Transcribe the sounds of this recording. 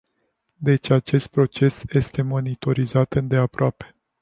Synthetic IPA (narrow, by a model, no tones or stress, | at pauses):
d̪e̞t͡ʃʲat͡ʃe̞st̪̚pɾo̞t͡ʃe̞sje̞st̪e̞mo̞nit̪o̞ɾizat̪ɨnd̪e̞apɾoape̞̥